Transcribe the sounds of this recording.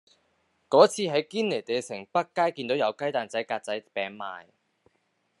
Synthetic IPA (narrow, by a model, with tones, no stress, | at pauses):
kɔː˨˥t͡sʰiː˧ɦɐ˨˥jkiː˥nle˨˩t̪e˨jsɪ˨˩ŋpɐ˥t̚kːaː˥jki˧nt̪o˨˥wjɐ˨˧wkɐ˥jt̪aː˨nt͡sɐ˨˥jkaː˧t̚t͡sɐ˨˥jpɛː˨˥ŋma̰ː˨j